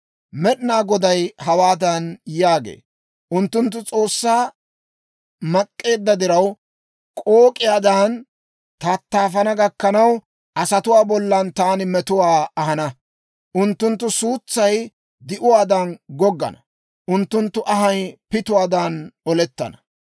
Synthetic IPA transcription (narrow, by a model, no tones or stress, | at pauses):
mɛɗɪnaːɡɔd̪ɐjhɐwaːd̪ɐnjaːɡḛː | ʔʊnt̪ːʊnt̪ːʊt͡sʼo̞ːsːaː | mɐkʼːe̞ːd̪ːɐd̪ɪɾɐw | kʼoːkʼɪjaːd̪ɐn | t̪ɐt̪ːaːfɐnɐɡɐkːɐnɐw | ʔɐsɐt̪ʊwaːbɔlːɐnt̪aːnɪmɛt̪ʊwaːɐɦɐnɐ | ʔʊnt̪ːʊnt̪ːʊsuːt͡sːɐj | d̪ɪʔʊwaːd̪ɐnɡɔɡːɐ̰nɐ | ʔʊnt̪ːʊnt̪ːʊʔɐɦɐjpɪt̪ʊwaːd̪anɔlɛt̪ːɐ̰nɐ